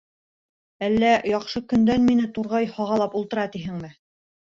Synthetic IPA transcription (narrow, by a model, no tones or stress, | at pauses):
ælːæjɑqʃɤkɵ̆nd̪ænminɘt̪uɾʁɑjhɑʁɑlˠɑpulˠt̪ɤ̆ɾɑt̪iɦɘŋmɘ